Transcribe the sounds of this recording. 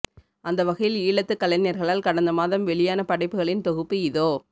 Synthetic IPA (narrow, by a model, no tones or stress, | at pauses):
ʔɐnd̪ɐʋɐɣɐjɪliːɭɐt̪ːɯkːɐlɐnɪjɐɾɣɐɭaːlkɐɽɐnd̪ɐmaːðɐmʋɛɭɪjaːnɐpɐɽɐɪpːɯɣɐɭɪnt̪ɔɣɯpːɯɪðoː